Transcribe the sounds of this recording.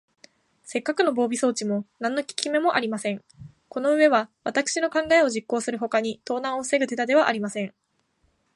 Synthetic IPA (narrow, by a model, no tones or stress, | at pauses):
se̞kːakɯ̟no̞bo̞ːbʲiso̞ːt͡ɕimo̞nãnːo̞kʲi̥kʲime̞mo̞ʔaɾʲimasẽ̞ŋ | ko̞no̞ɯ̟e̞βaβat̪akɯ̥ɕino̞kãŋɡae̞o̞ʑikːo̞ːsɨɾɯ̟ɦo̞kaɲ̟it̪o̞ːnãɰ̃o̞sɨ̥se̞ɡɯ̟t̪e̞t̪ad̪e̞βaʔaɾʲimasẽ̞ŋ